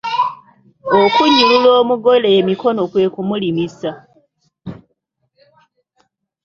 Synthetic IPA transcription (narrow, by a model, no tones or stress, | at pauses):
okuɲːululoːmuɡo̞leemiko̞no̞kwe̞ːkumulimisa